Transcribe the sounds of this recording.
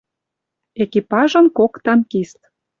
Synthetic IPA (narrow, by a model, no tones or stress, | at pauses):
ekipɑʒə̆nkokt̪ɑnkist̪